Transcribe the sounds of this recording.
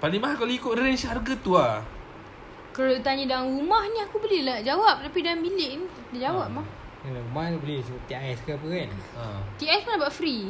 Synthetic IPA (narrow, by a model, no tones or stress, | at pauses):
paliŋmaɦakaluikʊʔɾɛnsɦarɡat̪ua | kəɾalat̪aɲə̃daanɾumahniakubəlilahd͡ʒawap̚t̪apidaaŋbilɪʔni | dad͡ʒawap̚mah | aaɾumahnibəlisəbaʔt̪iajɛskap̬əkanã̰t̪iaspunabaʔfɾi